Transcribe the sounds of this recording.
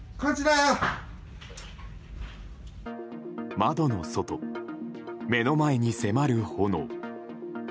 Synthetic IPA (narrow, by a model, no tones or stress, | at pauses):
kat͡ɕiɾajo | mad̪o̞no̞so̞t̪o̞ | me̞no̞mae̞ɲ̟ise̞maɾɯ̟ho̞no̰